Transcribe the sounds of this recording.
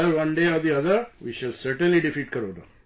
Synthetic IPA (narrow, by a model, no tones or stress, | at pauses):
ɾʋɐ̃nɖeːad̪iɐðɐʋiːʃɐlsɐɾʈə̃nliɖifiːʈ̚kɐɾod̪ɐ̰